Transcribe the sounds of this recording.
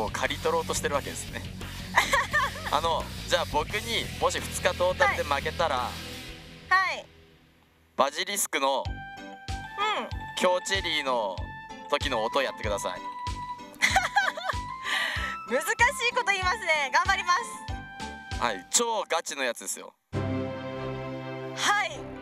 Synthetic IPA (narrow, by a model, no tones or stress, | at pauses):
koːkʰaɾʲit̪o̞ɾo̞ːt̪o̞ɕi̥t̪e̞ɾɯ̟βake̞d̪e̞sɨjone̞ | a̰no̞d͡ʑaːbo̞kɯ̟ɲ̟imo̞ɕ̬iɸɯ̟̥t͡sɨ̥kad̪o̞ːt̪ad̪e̞make̞t̪aɾa̰ | hai | b̥aʑiɾʲisɨ̥kɯ̟no̞ | ɯ̃ɴkʲo̞ːt͡ɕiɾʲiːno̞t̪o̞kʲino̞ːt̪o̞jat̪ːe̞kɯd̪asa̰ḭ | mɯ̟zɨkaɕiːko̞t̪o̞iːmasɨne̞ɡãmbaɾʲimasɨ̥ | ha̰ḭt͡ɕo̞ːɡat͡ɕino̞jat͡sɨd̪e̞sɨjo̞̰ | hai